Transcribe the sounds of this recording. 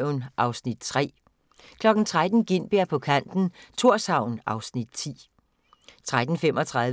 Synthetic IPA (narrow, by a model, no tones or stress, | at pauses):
ʊnʔɑ̈ʊsnid̥̚t͡sʰʁɛ̰ː | kʰlɒ̽ɡ̥n̩t͡sʰʁad̥n̩ɡ̥e̝n̰b̥eɐ̰pʰɒ̽kʰæn̰d̥n̩t͡sʰo̝ɐ̰sɑ̈ʊ̰nʔɑ̈ʊsnid̥̚t͡sʰḭː | t͡sʰʁad̥n̩fem̰ʔɒ̽t͡sʰʁɑð